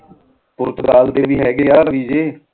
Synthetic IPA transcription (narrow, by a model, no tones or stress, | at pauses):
pʊɾt̪kaːld̪eːʋiːɦɛːɡeːjaːɾəʋiːd͡ʒeː